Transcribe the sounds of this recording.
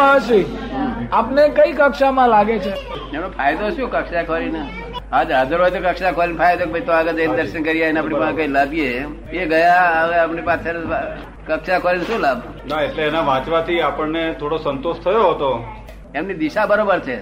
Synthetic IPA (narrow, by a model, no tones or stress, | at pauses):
aʃi | apnekəikəkʃamãlaɡet͡ʃʰe | emnopʰajd̪oɦʃjõkəkʃakʰoɾinə | ad͡ʒɦəd͡ʒəɾɦojt̪okəkʃakʰʋoɾinpʰajd̪okebʱajt̪oaɡəd͡ʒəd̪əɾʃənkəɾijanapɳ̃ipãkəilabije | eɡəjaəʋeapɳipãt̪ʰːeɾ | kəkʃakʰoɾinʃũlab | naeʈleːnaʋãt͡ʃʋat̪ʰiapəɳːet̪ʰoɽosənt̪oʃt̪ʰəjoɦət̪o | emnid̪ɪʃabəɾobəɾt͡ʃʰe